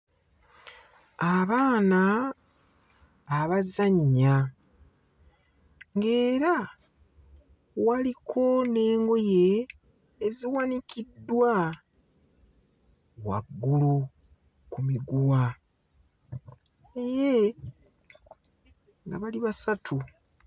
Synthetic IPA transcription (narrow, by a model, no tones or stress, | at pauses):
aβaːna | βazaɲːa | ŋɡe̞ːɾa | walikʰo̞ne̞ːŋɡo̞je̞ː | ziwanikidːwa | wa̰ɡːulu | kumiɡuwa | neje | ŋɡaβaliβasatʰu